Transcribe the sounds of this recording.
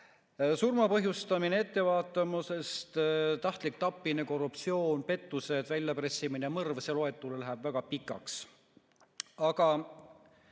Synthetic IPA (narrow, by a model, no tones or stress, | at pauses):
surmɑpɤɦjust̪ɑminee̞t̪ːe̞vɑːt̪ːˑɑmuse̞st̪t̪ɑht̪lik̚t̪ɑpːˑineko̞rupt̪sio̞ːnpe̞t̪ːuse̞d̪̥vælʲjɑpresːiminemɤrvseloe̞t̪ːˑulelæɦæb̥væɡ̥ɑpikːˑɑ̰ks | ɑɡ̥ɑ